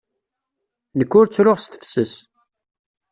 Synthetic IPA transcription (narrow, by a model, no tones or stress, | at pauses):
nəkːʊɾt͡sːɾʊʁst̪θsəs